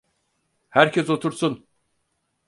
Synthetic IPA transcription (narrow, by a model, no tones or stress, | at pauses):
hæɾcʰɛso̞t̪ʰuɾsun